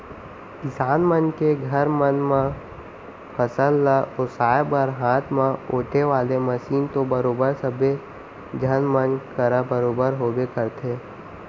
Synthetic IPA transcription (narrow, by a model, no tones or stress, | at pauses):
kɪsaːnmənkeɡʱɐɾmənmã | pʰəsəlːaʔosaːjbəɾɦãːt̪ʰmãoːʈʰeʋaːlemɐsiːnt̪obɐɾoːbəɾsəbʱe | d͡ʒʱənmənkəɾabəɾoːbəɾɦoːɡekəɾt̪ʰeː